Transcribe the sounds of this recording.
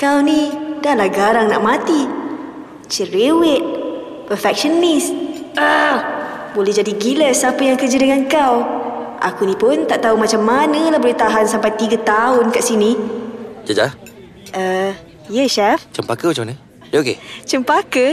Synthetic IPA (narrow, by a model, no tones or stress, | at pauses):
kawnidahlahɡaɾaŋnaʔmat̪i | t͡ʃəɾewɪt̪̚ | pəfɛk̚ʃənisə | bolɛɦd͡ʒadiɡiləsapəjaŋkərd͡ʒədəŋankawʔa̰kunĩpʊnt̪aʔt̪aumat͡ʃamːanəlahbolɛht̪aɦansampajt̪iɡət̪aʊnkaʔsini | d͡ʒad͡ʒa | ʔə | jɛʃɛft͡ʃəmpakəmat͡ʃamanə | okḛt͡ʃəmpakə